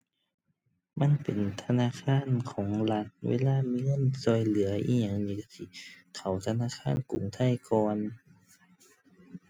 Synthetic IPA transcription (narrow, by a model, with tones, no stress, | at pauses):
ma˧˥˨npe˨nt̪ʰa˧naː˧˥˨kʰaː˧˥˨nkʰɔː˩˦ŋla˧˥t̪̚wḛː˧˥˨laː˧˥˨miː˧ŋɤ˧˥˨nsɔː˧˩jlɯ˩˦ɐʔiː˧˩ɲaː˧˩˨ŋjiː˧si˧˩ | kʰa˨˧˩wt̪ʰa˧naː˧˥˨kʰaː˧˥˨nkṵ˨˩˦ŋt̪ʰa˧˥˨jkɔː˧n